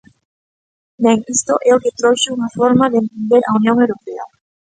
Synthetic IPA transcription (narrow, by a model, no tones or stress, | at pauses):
neŋist̪oʔɛoket̪ɾoʃeuŋafoɾmaðeent̪ẽnd̪eɾʔaunjõŋewɾopea̰